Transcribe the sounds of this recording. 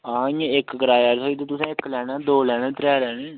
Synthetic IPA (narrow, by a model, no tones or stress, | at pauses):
aãɪkɡɾaːjaːɾsoːiːd̪eːt̪ʊsãːɪklɛːnãːd̪oːlɛːɽ̃ẽːt̪ɾɛːlɛːɽ̃eː